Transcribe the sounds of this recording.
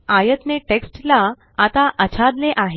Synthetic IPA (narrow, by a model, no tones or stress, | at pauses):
ajət̪neʈeksʈlaː | t̪aʔət͡ɕʰad̪leʔaɦe